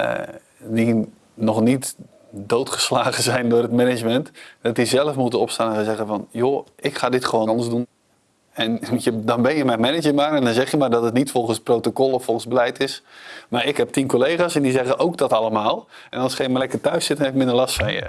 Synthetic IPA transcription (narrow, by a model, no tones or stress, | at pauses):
di | nɔχnit | dowtχəslaːɣəzɛjndʊːrətmɛnɪd͡ʒmɛntdɔt̚dizɛlˠəfmutəɔpstaːnəanzɛɣəvɔnjoʔɪkχaːdɪtχəʋonəzdun | ɛnədɔnbɛnjəmɛjmɛnɪd͡ʒəmaːɾɛndɔnzɛχjəmardɔtətnitfɔlˠχənsprowtokɔlˠɔfɔlˠχənzbəlɛjtɪsmaɾɪkhɛp̚tinkolejχaːsɛndizɛɣənʔowkdɔtɑlˠəmaːlˠʔɛnɑlˠsχejnmalɛkərtœɥsɪt̚dnɛpɪk̚mɪ̃ndərlɑstfɔnjə̰